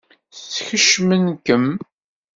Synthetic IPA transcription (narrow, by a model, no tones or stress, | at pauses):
θt͡sːçəʃmənkəm